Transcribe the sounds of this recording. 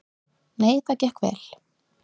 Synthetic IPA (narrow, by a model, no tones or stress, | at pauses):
neːjθacɛhkvɛ̰l